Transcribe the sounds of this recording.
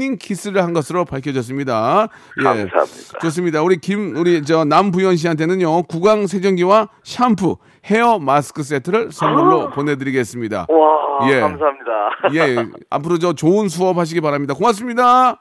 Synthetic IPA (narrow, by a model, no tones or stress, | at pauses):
ɲinkʰis͈ɯɾɯɭhanɡʌsʰɯɾopaɭkʰʌd͡ʑʌs͈ɯmɲida | jeit͡ɕos̬͈ɯmɲidauɾikimuɾit͡ɕʌnambujʌnɕ̬iɦantʰenɯnɲjokuɡaŋs̬ʰed͡ʑʌŋɡiwaɕʰampʰu | he̞ʌmasɯ̥kʰɯs̬͈e̞tʰɯɾɯɭsʰʌnmuŋɾopone̞dɯɾiɡe̞s͈ɯmɲida̰aje̞amsaamɲidajea̰pʰɯɾod͡ʑʌt͡ɕoɯns̬ʰuʌp̚haɕ̬iɡipaɾamɲidakomas̬͈ɯmɲida